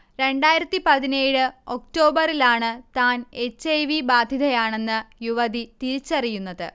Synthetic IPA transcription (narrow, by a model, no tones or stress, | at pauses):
ɾe̞ɳɖaːjiɾɐt̪ːipɐðineːɽɨo̞k̚ʈo̞ːbɐrilaːɳɨt̪aːne̞t͡ɕːejʋibaːd̪ʱiðɐjaːɳe̞nːɨjuʋɐðit̪iɾit͡ɕːɐrijunːɐðɨ